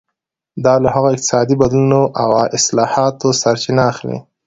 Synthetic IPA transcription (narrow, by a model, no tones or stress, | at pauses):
d̪ɑlahaɣoɪq̚t̪ɪ̥sɑd̪ibad̪lunoʔawaʔɪslɑhɑt̪osaɾt͡ʃɪnaːxlḭ